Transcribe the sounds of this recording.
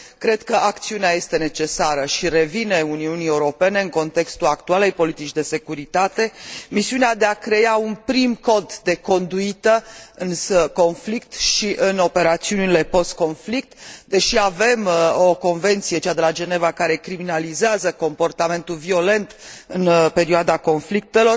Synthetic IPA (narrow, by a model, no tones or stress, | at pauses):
kɾe̞d̪kəʔak̚t̪siuneaje̞st̪e̞ne̞t͡ʃe̞saɾəʃiɾe̞vine̞uniunie̞uɾo̞pe̞ne̞ɨŋko̞nt̪e̞kst̪ulakt̪uale̞jpo̞lit̪it͡ʃd̪e̞se̞kuɾit̪at̪e̞misiunead̪e̞akɾe̞aunpɾimko̞d̪d̪e̞ko̞nd̪uit̪əɨnsəko̞nflikt̪ʃiʔɨno̞pe̞ɾat̪siunile̞po̞st̪̚ko̞nflik̚t̪d̪e̞ʃiave̞mo̞ko̞nve̞nt̪sije̞t͡ʃad̪e̞lad͡ʒe̞ne̞vakaɾe̞kɾiminalizeazəko̞mpo̞rt̪ame̞nt̪ulvio̞le̞nt̪ɨnpe̞ɾioad̪ako̞nflik̚t̪e̞lo̞r